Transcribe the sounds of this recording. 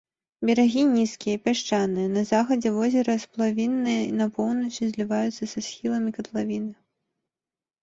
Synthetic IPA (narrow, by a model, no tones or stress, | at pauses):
bʲɛɾaɣʲinʲiskʲijɐipʲaʂt͡ʂanɨjɐnɐzaxɐd͡zʲɛvɔzʲɛɾɐsplˠavʲinːɨjɐinɐpɔwnɐt͡ʂizʲlʲivajut̪sːɐsɐsxʲilˠɐmʲikɐt̪lˠavʲinɨ